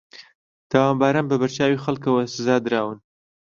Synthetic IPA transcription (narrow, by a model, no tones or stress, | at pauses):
t̪awɑmbɑɾanbəbaɾt͡ʃɑwixalkawasɪzɑd̪ɾɑwən